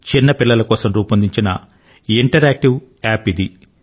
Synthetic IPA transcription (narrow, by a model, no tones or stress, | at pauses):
t͡ʃinːɐpilːɐlɐkoːsɐmɾuːpɐnd̪iɲt͡ʃinɐ̰ | iɳʈɐɾaːk̚ʈiw | aːpid̪i